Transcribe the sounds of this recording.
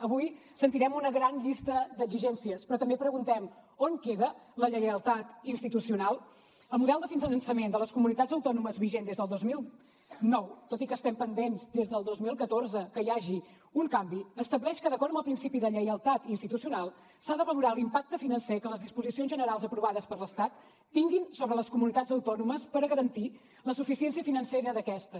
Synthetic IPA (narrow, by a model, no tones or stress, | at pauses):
əβuj | sənt̪iɾɛmunəɣɾanʎist̪əd̪əɡziʒɛnsiəspɾɔt̪əmbepɾəɣunt̪ɛmoŋkeðələʎəjəlˠt̪at̪inst̪it̪usiunalˠ | əlˠmuðɛlˠd̪əfinzənənsəmend̪ələskumunit̪azəwt̪ɔnuməzβiʒend̪ezðəlˠd̪ozmilˠ | nɔwt̪ot̪ikəːst̪ɛmpənd̪enzd̪ezðəlˠd̪ozmilˠkət̪orzəkəjaʒi | uŋkambiəst̪əβlɛʃkəðəkɔɾəməlˠpɾinsipiðəʎəjəlˠt̪at̪inst̪it̪usiunalˠ | saðəβəluɾalimpak̚t̪əfinənsekələzðispuzisionzʒənəɾalˠzəpɾuβaðəspəɾləst̪at̪ː | iŋɡinsoβɾələskumunit̪ad͡zəwt̪ɔnuməspəɾɣəɾənt̪i | ləsufisiɛnsiəfinənseɾəðəkɛst̪ə